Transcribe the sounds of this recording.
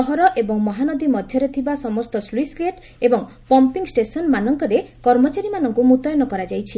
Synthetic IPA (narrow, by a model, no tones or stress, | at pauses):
ɔɦɔɾɔʔebɔŋmɔɦanɔd̪imɔd̪ʱjɔɾet̪ʰibasɔmɔst̪ɔsliskleʈ | ebɔŋ | pɔmpiŋsʈesɔnmanɔŋkɔɾekɔɾmɔt͡ʃaɾimanɔŋkumut̪ɔjɔnɔkɔɾad͡ʒajt͡ʃʰi